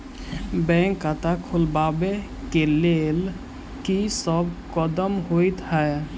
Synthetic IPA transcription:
bɛ̃ŋkːat̪akʰulbabe | kelel | kisəbkəd̪əmɦojt̪ɦɛe

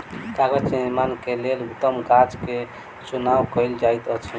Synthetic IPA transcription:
kaɡəd͡ʒniɾmankelelut̪ːəmɡad͡ʒke | t͡ʃunawkəjld͡ʒajt̪ət͡ʃʰ

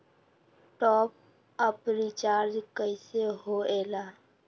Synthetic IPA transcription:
ʈɔːp̚ | əpɾit͡ʃaːɾd͡ʒkəɪseɦoeːlaː

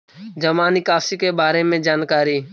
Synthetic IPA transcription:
d͡ʒəmaːnikaːsikebaːɾemẽd͡ʒaːnkaːɾiː

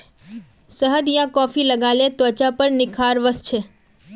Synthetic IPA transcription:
səɦəd̪jãkɔfiləɡalet̪ʋət͡ʃapəɾnɪkʰaɾʋəst͡ʃʰe

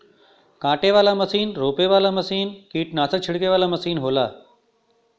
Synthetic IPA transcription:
kãːʈeʋaːlaməsiːnɾoːpeʋaːlaməsiːnkiːʈnãːsə̃t͡ɕʰɪɽkeʋaːlamɐsiːnɦoːlaː

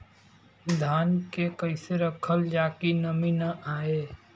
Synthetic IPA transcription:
d̪ʱaːnkekɐɪseɾɐkʰəld͡ʒaːkinɐminɐʔaːeː

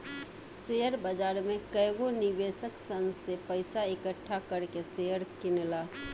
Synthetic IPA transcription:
sejəɾbəd͡ʒaɾmekəjɡonibesəksənsepəɪsaekəʈʰːakəɾkesejəɾkinla

